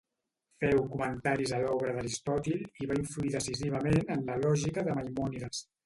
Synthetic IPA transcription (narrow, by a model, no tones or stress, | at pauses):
fɛwkumənt̪aɾizəlɔβɾəðəɾist̪ɔt̪iliβaiɱfluiðəsiziβ̞əmenənləlɔʒikəðəmajmɔniðəs